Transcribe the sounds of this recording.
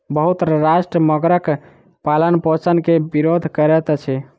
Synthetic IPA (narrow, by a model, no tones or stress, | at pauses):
bəɦut̪ɾasʃʈɾəməɡɾək | palənpõt͡ʃənkebiɾod̪ʱkəɾɛt̪t͡ʃʰɛ